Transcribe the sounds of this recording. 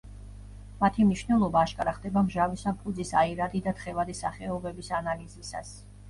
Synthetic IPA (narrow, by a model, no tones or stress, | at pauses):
mat̪ʰimniʃnɛlˠɔbaːʃkʼaɾaχd̪ɛbamʒavisapʰud̪zisaiɾad̪id̪at̪χɛvad̪isa̰χɛɔbɛbisanalizisa̰s